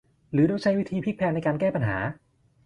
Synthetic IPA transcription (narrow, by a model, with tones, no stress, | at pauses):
ɾɯː˩˦do˥˩t͡ɕʰa˦˥jwi˦˥t̪ʰiː˧pʰi˦˥k̚pʰɛː˧n˧jkaː˧nkɛː˥˩pa˧nɦa̰ː˩˦